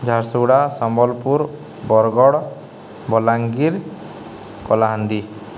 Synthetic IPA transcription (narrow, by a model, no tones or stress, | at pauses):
d͡ʒʱaɾsuwɽasɔmbɔlpuɾ | bɔɾɡɔɽ | bɔlaŋɡiɾ | kɔlaɦanɖi